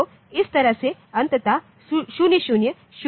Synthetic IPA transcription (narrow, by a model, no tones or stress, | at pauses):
o | ɪst̪ɐɾaseɐnt̪ət̪a | ʃunjəɕunjə | ʃ